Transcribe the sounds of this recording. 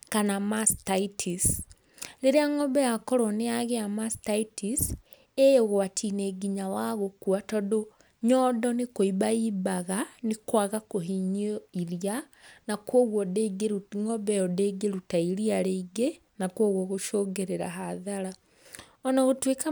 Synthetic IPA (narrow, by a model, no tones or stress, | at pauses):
kanamastaitʰis | ɾeɾeaŋɔbɛjakɔɾwɔneaɣeamastaitis | ejɣwatʰineɡiɲawaɣokuatɔdo | ɲɔdɔnekoibaiːbaɣanekwaɣakoɦiɲoiɾianakwoɣwɔdeɡeŋɔbɛjɔdeɡeɾutaiɾiaɾeiɡe | nakwoɣwɔɣoʃoɡeɾeɾa̰ɦaðaɾa | ɔnaɣotweka